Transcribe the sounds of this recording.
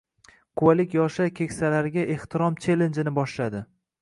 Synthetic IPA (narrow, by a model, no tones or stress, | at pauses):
kʰʊwalɪkʲjɒʃakʲʰe̞kʲsalaɾɪɡʲaʔe̞ht̪ʰɪɾɒmt͡ʃʰe̞lend͡ʒɪnɪbɒʃlad̪ɪ